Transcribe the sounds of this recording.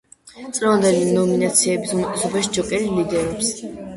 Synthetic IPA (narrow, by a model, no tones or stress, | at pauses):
t̪sʼʁɛvand̪ɛlinɔminat̪sʰiɛbisumɛt̪ʼɛsɔbaʃid͡ʒɔkʼɛɾilid̪ɛɾɔps